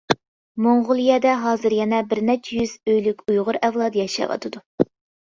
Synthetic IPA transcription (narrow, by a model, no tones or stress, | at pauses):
moŋʁʊlˠijɛd̪ɛɦɑːzɨɾjɛnɛbɪɾnɛt͡ʃʰːɛjyz̥øjlykʲujʁʊɾɛvlˠɑd̪jɛʃɑ̰ʋɑ̰t̪ʰɨd̪u